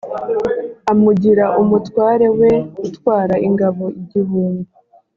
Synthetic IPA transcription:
amuɟiɾaʔumutwaːɾe̞we̞utwaːɾaʔiŋɡaβo̞iɟiβuːnbu

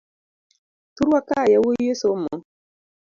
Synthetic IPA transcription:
tuɾwakajawojesɔmon

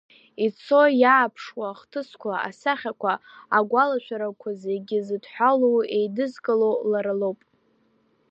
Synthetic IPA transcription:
it͡sʰo̞jaːpʰʂwaχtʰɨskʷʰaa̰saχʲakʷʰaaɡʷalaʃʷᶣʰaɾakʷʰazeɡʲɪzɨdħʷalowejdɨzkʼalowlaɾalowpʼ

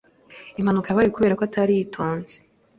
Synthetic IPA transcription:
imhanukajaβaːjukuβeɾakwoatʰaɾijitʰoːnz̥e̥

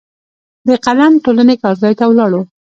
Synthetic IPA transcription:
d̪əqalanʈolanekɑɾzɑjt̪awlɑɽo

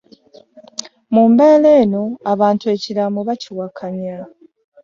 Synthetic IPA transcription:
mumbeːleːno̞aβaːntue̞ːciɾamoβaciwakʰaɲa

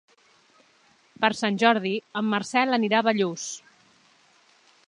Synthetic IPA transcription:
pəɾsanʲʒɔɾð̞iəmːəɾsɛləniɾaβəʎus

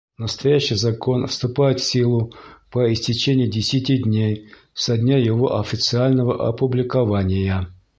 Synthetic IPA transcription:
nəst̪ɐjæɕːɪjzɐko̞nfst̪ʊpajɪt̪fsʲilˠʊpəɪsʲtʲɪt͡ɕenʲɪjədʲɪsʲɪtʲidʲnʲej | sɐdʲnʲajɪvo̞̰ʔɐfʲɪt̪sɨalʲnəvəʔɐ̰pʊblʲɪkɐvanʲɪjə

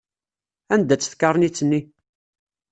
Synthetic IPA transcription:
ænd̪æt͡sːə̥θkɑɾˤnit͡sːənːi

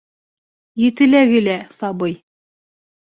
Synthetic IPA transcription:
jɘ̆t̪ɘ̆læɡɘ̆læsɑbɤj

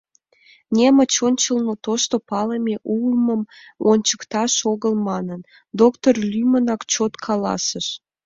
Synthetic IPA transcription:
nʲemət͡ɕonʲt͡ɕəlnot̪oʃt̪opɑləmeʔulməm | onʲt͡ɕəkt̪ɑʃoɣəlmɑnən | d̪okt̪orlʲymənɑkt͡ɕot̪kʰɑlɑ̰səʃ

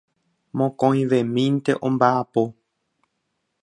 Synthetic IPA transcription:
mõkõĩʋẽmĩnt̪eʔõmbaːpo

